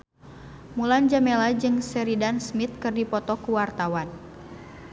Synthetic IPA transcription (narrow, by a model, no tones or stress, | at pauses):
muland͡ʒamɛlad͡ʒɨŋsɛɾidansmit̪̚kɨrdipɔt̪ɔkuwart̪awan